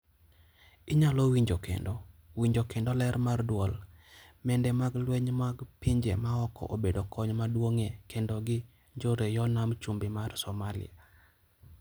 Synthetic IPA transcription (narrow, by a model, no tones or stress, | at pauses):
iɲalowiɲd͡ʒokḛndɔwiɲd͡ʒokendɔlɛɾmardwɔlmɛndɛmaɡlweɲmaɡpiɲd͡ʒḛmaɔkɔ̰ʔobedokʰɔɲmadwoŋekendɔɡɪ | ɲd͡ʒoɾejɔnamt͡ʃumbɪmarsɔmalɪ̰a̰